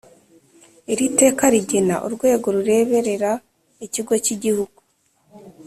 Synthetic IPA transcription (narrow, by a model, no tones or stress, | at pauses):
iɾite̞ːkaɾiɟena̰ʔuɾɡwe̞ːɡo̞ɾuɾe̞ːβe̞ɾe̞ɾa | iciɡo̞ciɟihuɡ̥u